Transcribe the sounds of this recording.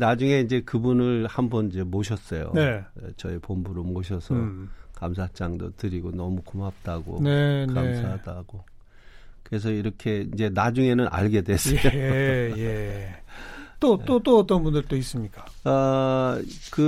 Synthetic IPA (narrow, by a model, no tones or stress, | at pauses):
nad͡ʑuŋe̞ind͡ʑe̞kɯbunɯɭhambʌnid͡ʑe̞moɕ̬ʰʌs͈ʌjo̰neet͡ɕʌipombuɾomoɕʰʌsʰʌkams̬ʰat͡ɕ͈aŋdotɯɾiɡonʌmukomap̚t͈aɡo̰neknamsʰadaɡ̥o | kɯɾe̞s̬ʰʌiɾʌkʰe̞ind͡ʑe̞nad͡ʑuŋe̞nɯnʔa̰ɭɡe̞dwe̞s͈ʌjoje | t͈oot͈oʌt͈ʌnbundɯɭt͈ois͈ɯmɲik͈ḁ | ʌ | kɯ